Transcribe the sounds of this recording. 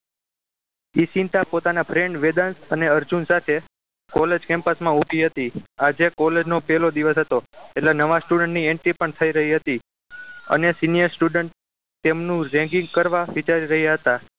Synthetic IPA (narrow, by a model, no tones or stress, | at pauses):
isint̪apot̪anapʰɾeɳɖʋed̪ansəneəɾd͡ʒunsat̪ʰe | kɔled͡ʒkɛ̃mpəsmãubʱiɦət̪iad͡ʒekɔled͡ʒnopɛlod̪iʋəsɦət̪oeʈlenəʋasʈuɖəɳʈniɛɳʈɾipəɳt̪ʰəiɾəɦiɦət̪i | ə̰nesinijəɾsʈuɖəɳʈ | t̪emnũɾɛ̃ŋɡĩŋɡ̚kəɾʋaʋit͡ʃaɾiɾəɦijaɦət̪a